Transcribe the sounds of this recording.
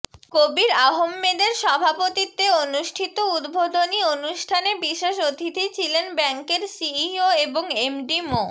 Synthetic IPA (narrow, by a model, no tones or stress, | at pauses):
kobiɾaɦomːed̪eɾʃɔbʱapot̪it̪eonuʃʈʰit̪oud̪bʱod̪ʱonionuʃʈʰanebiʃeʃot̪ʰit̪ʰit͡ɕʰilenbɛŋkeɾsioeboŋemɖimo